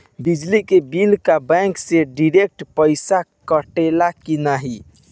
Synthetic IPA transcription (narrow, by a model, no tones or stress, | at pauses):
bid͡ʒlikebilkabɛ̃ŋkseɖiɾek̚ʈpəɪsakəʈelakinaɦi